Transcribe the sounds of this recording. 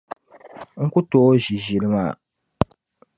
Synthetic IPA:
ŋ̩˦ku˦to˨˦o˦ʒi˨ʒi˨lɨ˦ma̰˦˨

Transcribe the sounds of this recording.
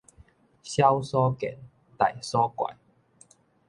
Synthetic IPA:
ɕja˦wsɔ˦kɛ˨n | t̪a˨˩jsɔ˦kwa̰˨˩jn

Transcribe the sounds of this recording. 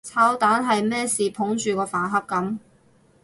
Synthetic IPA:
t͡sʰaː˥wt̪aː˨˥nɦɐ˨jmɛː˥siː˨pʰʊ˨˥ŋt͡ʃyː˨kɔː˧faː˨˥nɦɐ˥p̚kɐ˨˥m

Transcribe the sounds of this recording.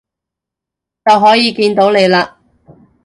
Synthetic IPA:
t͡sɐ˨wɦɔː˨˥jiː˨˧kiː˧nt̪o˨˥wne˨˧jlaː˧

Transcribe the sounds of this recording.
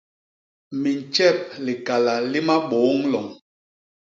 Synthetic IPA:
mi˨n˨t͡ʃɛ˦˨p̚li˨ka˨la˨li˦ma˦ɓo˨˦ŋlɔ˨ŋ

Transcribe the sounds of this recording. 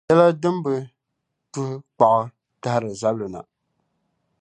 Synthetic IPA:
jɛ˦la˦dɨ˦mbɨ˨ | tu˦hɪ˦k͡pa˨ʔ | ta˦hɾɨ˨za˦lːɨ˨na̰˨

